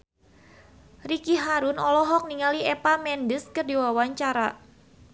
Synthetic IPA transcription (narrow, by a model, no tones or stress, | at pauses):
rikiɦaɾʊnɔlɔɦɔk̚niŋaliɛpamɛndəskərdiwawaɲt͡ʃaɾa